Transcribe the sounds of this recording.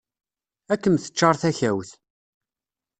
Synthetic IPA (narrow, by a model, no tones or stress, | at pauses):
ækːəmθə̥t͡ʃːɑɾˤθæçæwθ